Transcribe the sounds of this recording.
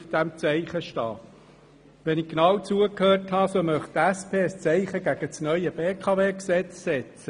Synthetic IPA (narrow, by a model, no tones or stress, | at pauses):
fd̪̥æmt͡sɛɪχəʃtɑː | ʋɛnɪkknɑwt͡suəkhøːrthɑsomœχttæspʰeːst͡sɛɪχəɡæɡ̥ət͡snœʏəb̥eːkʰɑveːksɛt͡ssɛt͡sə